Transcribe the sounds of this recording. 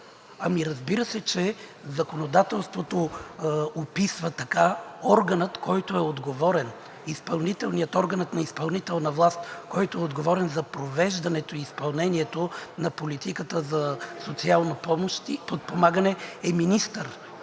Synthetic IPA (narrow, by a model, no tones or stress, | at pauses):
ɐmiɾɐzbiɾəsɛt͡ʃɛ | zɐkonod̪at̪ɛlˠst̪vot̪o | opisvət̪ɐkaɔɾɡənət̪kɔjt̪oɛod̪ɡovɔɾɛn | ispɐlˠnit̪ɛlˠnijət̪ɔɾɡənət̪nɐispɐlˠnit̪ɛlˠnɐvlˠast̪kɔjt̪ʊɛod̪ɡovɔɾɛnzɐpɾovɛʒd̪ɐnɛt̪oiːspɐlˠnɛniɛt̪onɐpolit̪ikət̪əzɐsot̪sialˠnɐpɔmoʃt̪ipot̪̚pomaɡənɛɛminist̪əɾ